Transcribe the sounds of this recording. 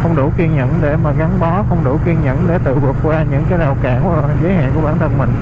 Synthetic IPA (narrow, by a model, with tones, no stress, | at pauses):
xə˧wŋ͡mɗu˧˩ki˧ənɲə̰˧˨nɗe˧˩maː˨˩ɣa˨˦nɓɔ˨˦xə˧wŋ͡mɗu˧˩ki˧ənɲə̰˧˨nɗe˧˩t̪ɨ̰˧˨kə˨˩ək̚kwaː˧ɲɨ̰˧˥ŋkaː˨˦jɗaː˨˩wkaː˧˩n˧ | zəː˨˦jha̰ː˧˨ŋku˧˩ɓaː˧˩nt̪ʰə˧nmï˨˩ŋ̟